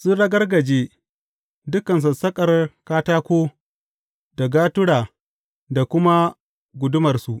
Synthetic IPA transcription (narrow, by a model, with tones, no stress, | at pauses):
su˦ɽɐ˦ɡɐ˦rɡɐ˨d͡ʒeː˦ | dʊ˦kɐ˨ns̬a˨sɐ˦kʼɐ˨rkaː˦taː˦kʷoː˦ | da˨ɡaː˦tʊ˦ɽaː˨ | da˨kʷʊ˦ma˦ | ɡʷʊ˨dʊ˦mɐ˨rsu˨ʔ